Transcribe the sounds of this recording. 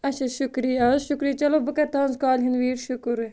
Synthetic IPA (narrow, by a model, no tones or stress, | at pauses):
ɐʃɐʃʊkɾijaʃʊkɾijɐt͡ʃɐlobɐkɐt̪ãːnzkaːlɦinʋiːɾʃʊkɾ